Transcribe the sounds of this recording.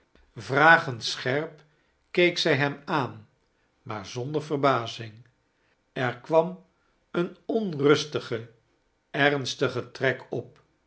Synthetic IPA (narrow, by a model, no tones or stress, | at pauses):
vraːχəntsχɛɹp | kejksɛjɦɛmaːn | maːɹzɔnd̪əɹvərbaːzɪŋ | ɛɹkʋɑm | ənɔnrɵstəχə | ɛrnstəχətrɛkɔp̚